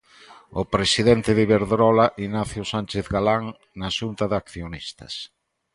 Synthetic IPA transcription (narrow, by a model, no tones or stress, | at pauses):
opɾesiðɛnt̪ɪðɪβeɾðɾɔlaʔinaθjosant͡ʃeθɣalaŋ | naʃunt̪ɐðakθjonist̪ɐ̰s